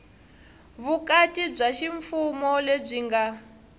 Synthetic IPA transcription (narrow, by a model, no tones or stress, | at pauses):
βukatib͡ʐaʃiɱfumɔleb͡ʐiŋɡa